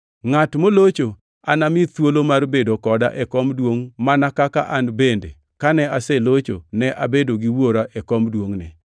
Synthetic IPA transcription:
ŋatmolot͡ʃo | anamɪt̪wolomarbedokɔda̰ʔɛkɔmdwoŋmanakakaʔanbende | kanɛasɛlot͡ʃo̰nɛʔabedoɡiwoɾaʔɛkɔmdwoŋnɛ

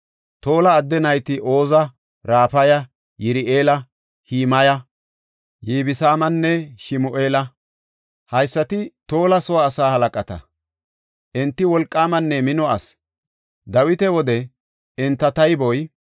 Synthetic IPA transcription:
t̪o̞ːlɐːd̪ːɛnɐjt̪ɪʔo̞ːzɐ | ɾaːpɐjɐ | jɪɾɪʔeːlɐ | hiːmɐjɐ | jiːbɪsaːmɐnːɛʃɪmʊʔe̞ːlɐ | hɐjsːɐt̪ɪt̪o̞ːlɐsɔwaːsaːhɐlɐkʼɐt̪ɐ̰ | ʔɛnt̪ːɪwɔlkʼːaːmɐnːɛmɪnɔɐ̰s | d̪ɐwɪt̪ɛwɔd̪ɛ | ɪnt̪ːɐt̪ɐjbɔj

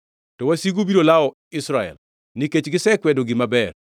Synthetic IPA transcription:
tɔwasiɡubiɾolaɔ | ɪsɾaɛ̰l | niket͡ʃɡɪsɛkwɛdoɡɪmabɛr

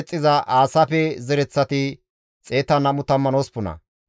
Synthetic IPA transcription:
t͡sʼːɪzɐʔaːsɐfɛzɛɾɛt͡sːɐt̪ɪ | t͡sʼe̞ːt̪ɐnɐmʊt̪ɐmːɐnoːspʊnɐ̰

